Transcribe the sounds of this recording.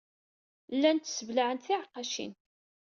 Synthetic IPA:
lːænt̪ːsəvlaʕənt̪θiʕqːɑʃḭn

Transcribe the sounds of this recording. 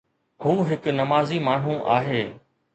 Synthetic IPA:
hũːɦɪknɐmaːzimaːɳ̤ũʔa̰ːɦeː

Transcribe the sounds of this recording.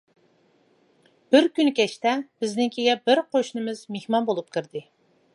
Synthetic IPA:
b̥ɪɾkʲynkʲʰɛt͡ʃt̪ɛb̥ɪznɪŋkʲʰeɡʲɛbɪɾqoʃnɨmɨz̥mehmɑnbolˠup̚kʰʲɨɾd̪ɨ

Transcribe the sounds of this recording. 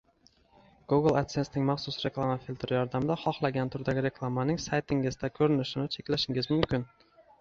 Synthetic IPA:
ɡ̥uɡlˠat̪sesnɪŋmaχsʊsɾe̞klˠamafilʲt̪ɾɪjɒɾd̪amɪd̪aχɒχlˠaɡʲant̪ʰʊɾd̪aɡʲɪɾe̞klˠamanɪŋsajt̪ʰɪŋɪzd̪akʲʰɵɾɪnɪʃɪnɪt͡ʃʰe̞kʲlaʃɪŋɪzmʊmkʲɪn

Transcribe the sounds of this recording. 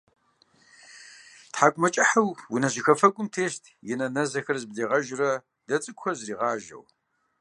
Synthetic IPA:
tħaːkʷʼʊmɐt͡ʃʼɐħɐwwinɐʑɪxɐfɐkʷʼʊmtʰeːɕtʰjɪnɐnɐzɐxɐrzbzeːʁɐʒrɐ | d̥ɐt͡sʼɨkʷxɐzriːʁɑːʒɐ̰w

